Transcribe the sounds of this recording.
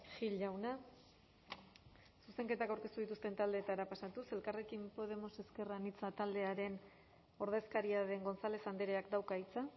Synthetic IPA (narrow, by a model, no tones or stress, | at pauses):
ʝiʎawna | suse̞ŋke̞t̪akawɾke̞st̪uðit̪ust̪e̞nt̪ald̪e̞ːt̪aɾapasat̪use̞lkare̞kimpo̞ð̞e̞mo̞se̞ske̞ranit͡sat̪ald̪e̞aɾe̞n | o̞ɾð̞e̞skaɾiaðe̞ŋɡo̞nt͡sale̞sand̪eɾeakd̪awkait͡sa